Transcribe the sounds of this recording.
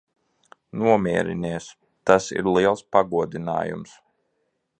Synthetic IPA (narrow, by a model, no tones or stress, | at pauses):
nuɔmʲiɛɾḭniɛs | t̪asḭɾliɛlˠspaɡuɔd̪ina̰ːjṵms